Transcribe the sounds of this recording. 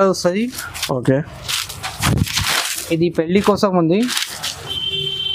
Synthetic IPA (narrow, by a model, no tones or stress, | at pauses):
ɐusɐɾioːkeː | id̪ipeɭːikoːsɐmɐnd̪i